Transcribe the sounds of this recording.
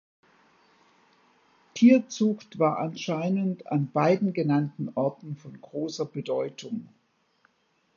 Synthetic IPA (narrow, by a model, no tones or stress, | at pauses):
tʰiːɐt͡sʊxtv̥aːɐʔanʃaɪnənta̰nbaɪdn̩ɡənantn̩ʔɔɐtn̩fɔnɡʁoːsɐbədɔʏtʰʊŋ